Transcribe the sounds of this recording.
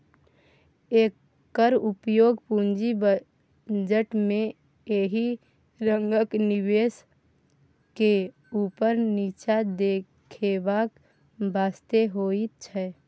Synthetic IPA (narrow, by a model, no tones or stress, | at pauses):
eːkː | əɾupjoːɡpũnd͡ʒib | d͡ʒəʈmẽ | eɦi | ɾəŋɡəkniβes | ke | upəɾnit͡ʃad̪ekʰebak | bʱaːst̪eɦoit̪t͡ʃʰɛ